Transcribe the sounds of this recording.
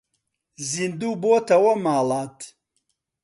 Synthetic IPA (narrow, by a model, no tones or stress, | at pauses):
zind̪uːboːt̪ʰɐwɐmaːlaːt̪ʰ